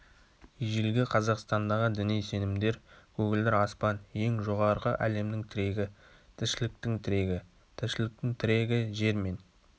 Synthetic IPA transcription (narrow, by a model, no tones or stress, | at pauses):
ʒelɡʲɪqʰɑzɑqst̪ɑnd̪ɑʁəd̪ʏnejse̞nɪmd̪e̞ɾkʰɵɡʲɪld̪ɪɾɑspɑnje̞ŋʒo̞ʁɑɾʁəʔæle̞md̪ɪŋt̪ʰɪɾe̞ɡʲɪ | t̪ʰɪʃɪlɪk̚t̪ɪŋt̪ʰɪɾe̞ɡʲɪ | t̪ʰɪʃɪlɪk̚t̪ɪŋt̪ʰɪɾe̞ɡʲɪʒe̞ɾme̞n